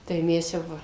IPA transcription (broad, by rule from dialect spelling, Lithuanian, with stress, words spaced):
tɐɪ ˈmʲɛs jɛʊ ˈʋɐ